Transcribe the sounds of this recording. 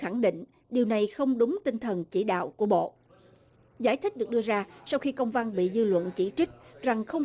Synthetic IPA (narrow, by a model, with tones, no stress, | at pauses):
xa˧˩ŋɗḭ˧˨ŋ̟ | ɗi˨˩əwna˨˩jxə˧wŋ͡mɗʊ˨˦ŋ͡mt̪ï˧ŋt̪ʰə˨˩nt͡ɕi˧˩ɗa̰ː˧˨wku˧˩əɓo̰˧˨ | zaː˧˩jt̪ʰi˦˥k̚ɗɨ˨˩k̚ɗɨ˧əzaː˧sa˧wxi˧kə˧wŋ͡mva˧nɓḭ˧˨zɨ˧lwə̰˧˨nt͡ɕi˧˩t͡ɕi˦˥k̟̚za˨˩ŋxə˧wŋ͡m